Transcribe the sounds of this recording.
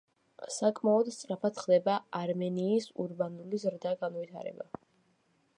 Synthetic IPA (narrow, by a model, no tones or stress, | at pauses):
sakʼmaɔd̪st̪sʼɾapʰat̪χd̪ɛbaaɾmɛniːsṵɾbanulizɾd̪aɡanvit̪ʰa̰ɾɛ̰ba̰